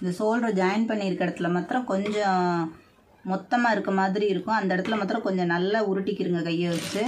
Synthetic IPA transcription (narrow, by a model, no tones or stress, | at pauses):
ɪnd̪ɐsoːlɾɐd͡ʒɐjɐnpɐɳːiɾɯkːɛɽɐt̪ːɯlɐmɐt̪ːɾɐ̃kɔɲd͡ʒɔ̃ | mɔt̪ːɐmaːɪɾɯkːɐmaːðɪɾiɪɾɯkːʊ̃ɐnd̪ɐɛɽɐt̪ːɪlɐmɐːt̪ːɾɐ̃kɔɲd͡ʒɔ̃nɐlːɐʊɾɯʈːɪkːɪɾɯŋɡɐkɐjːɐʋɐt͡ʃːɯ